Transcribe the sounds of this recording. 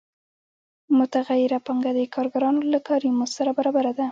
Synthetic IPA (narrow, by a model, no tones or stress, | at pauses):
mʊt̪aɣajɪɾapaŋɡad̪ekʰɑɾɡaɾɑnolakɑɾimosaɾabaɾɑbaɾad̪a